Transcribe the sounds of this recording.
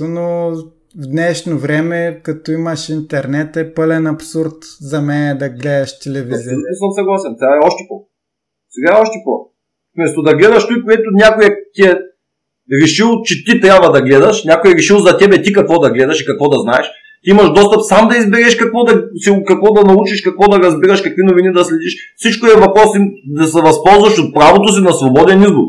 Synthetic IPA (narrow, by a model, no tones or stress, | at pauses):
no | vd̪nɛʃnovɾɛmɛkɐt̪ɔimɐʃint̪ɛɾnɛt̪ɛpɤlɛnɐpsuɾt̪zɐmɛnɛd̪ɐɡlɛd̪ɐʃt̪ɛlɛvizilut̪nosəmsɐɡlˠasɛnt̪aɛɔʃt̪ɛpo | sɛɡaɛɔʃt̪ɛpo | fmɛst̪od̪ɐɡlɛd̪ɐʃt̪ujpoɛt̪ʊnʲakojɛt̪iɛ | ɾɛʃilˠt͡ʃɛt̪it̪ɾʲabvɐd̪ɐɡlɛd̪ɐʃnʲakojɛɾɛʃilˠzɐt̪ɛbɛt̪ikɐkvɔd̪ɐɡlɛd̪ɐʃikɐkvɔd̪ɐznaɛʃ | t̪iimɐʃd̪ɔst̪ɐpsamd̪ɐizbɛɾɛʃkɐkvɔd̪ɐsikɐkvɔd̪ɐnɐut͡ʃiʃkɐkvɔd̪ɐɾɐzbiɾɐʃkɐkvinovinid̪ɐslɛd̪iʃfsit͡ʃkoiɛvɐpɾɔsid̪ɐsɛvɐspɔlˠzvɐʃot̪̚pɾavot̪os̬inɐsvobɔd̪ɛnizbuk